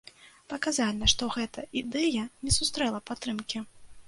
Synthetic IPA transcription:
pɐkazalʲnɐʂt̪ɔɣɛt̪ʰɐʔid̪ɛjɐnʲɛsust̪ɾɛlˠɐpat̪ːɾɨmkʲi

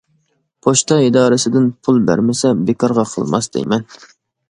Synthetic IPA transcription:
pʰoʃt̪ʰɑid̪ɑːɾɨsɪd̪ɪnpʰulˠbæ̰ɾmɪsɛbɪkʰɑɾʁɑqʰə̰lˠmɑ̰sd̪̥ḛjmɛn

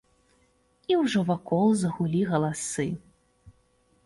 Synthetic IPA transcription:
iwʐɔvakɔlˠzɐɣulʲiɣɐlˠasɨ

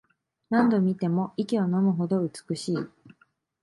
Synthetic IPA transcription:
nãnd̪o̞mʲit̪e̞mo̞ikʲio̞no̞mɯ̟ɦo̞d̪o̞ɯ̟t͡sɨ̥kɯ̟ɕiː

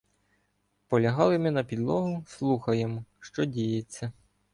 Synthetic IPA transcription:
pɔlʲɐɦɑlˠɪmɪnɐpʲid̪lˠɔɦʊslˠuxɐjemɔʃt͡ʃɔdʲijet͡sʲːɐ

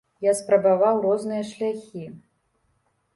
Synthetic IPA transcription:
jaspɾɐbavawrɔznɨjɐʂlʲaxʲi

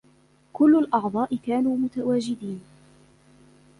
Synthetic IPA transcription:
kʊlːʊlʔɑʕd̪ˤɑːʔɪkaːnuːmʊt̪awaːd͡ʒɪd̪iːn

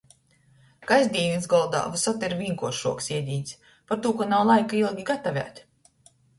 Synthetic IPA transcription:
kajzʲd̪ʲiːizɡɔlˠd̪a̰ːvusɔt̪ɛɾvʲiŋkuɔʃuɔksiɛd̪ʲiːnʲsʲ | paɾt̪uːkanawlˠajkailˠɡʲiɡat̪avʲæ̰ːt̪ʲ

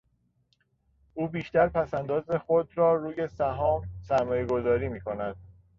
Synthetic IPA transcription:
ʔuːbiːʃt̪æɾpʰæsænd̪ɒːzexod̪ɾɒːɾuːje̞sæɦɒːmsæɾmɒːje̞ɡo̞zɒːɾiːmiːkʰo̞næd̪̥̚

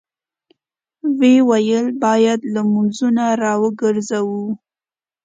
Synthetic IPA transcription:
wewajəlbɑjad̪lamunzunaɾɑwəɡəɾzawu

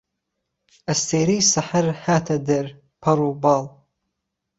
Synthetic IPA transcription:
astʰejɾisaħərħatʰadɨr | pʰaɾubal

